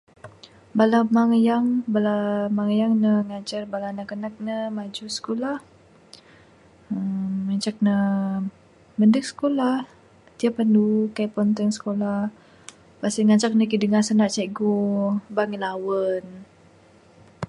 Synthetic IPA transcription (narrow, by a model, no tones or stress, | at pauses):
balamaŋəjaŋbalamaŋəjaŋnəŋat͡ʃarbalanakənak̚nəmad͡ʒusə̥kulah | əmːat͡ʃak̚nə | məndək̚sə̥kolah | t̪iapandukajpɔnt̪əŋsə̥kola | basəŋat͡ʃak̚nəkidəŋasənaʔt͡ʃaɡobaŋəlawən